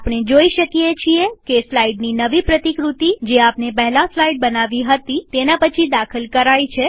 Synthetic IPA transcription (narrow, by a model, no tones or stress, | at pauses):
apɳ̃ed͡ʒoiʃəkijet͡ʃʰiekeslaiɖninəʋipɾət̪ikɾut̪id͡ʒeapnepəɦlaslaiɖ̚bənaʋiɦət̪it̪enapət͡ʃʰid̪akʰəlkəɾajt͡ʃʰe